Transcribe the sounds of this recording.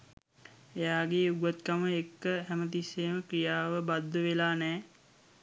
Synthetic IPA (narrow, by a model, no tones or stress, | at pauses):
ejaːɡeːuɡət̪kaməekːəɦæmət̪̬isːeːməkɾijaːʋəbad̪ːəʋelaːnɛː